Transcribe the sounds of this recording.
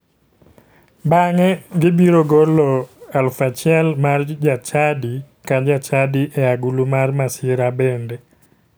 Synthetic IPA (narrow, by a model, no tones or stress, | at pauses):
baŋɛɡɪbiɾoɡolɔalfat͡ʃɛlmard͡ʒat͡ʃadi | kad͡ʒat͡ʃadiʔɛaɡulumarmasɪɾabɛnde